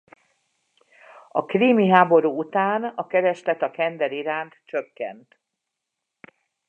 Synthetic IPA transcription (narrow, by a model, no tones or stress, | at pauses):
ɒkriːmiɦaːbo̞ɾuːut̪aːnɒkɛɾɛʃlɛt̪ɒkɛnd̪ɛɾiɾaːnt̪t͡ʃøkːɛ̰nt̪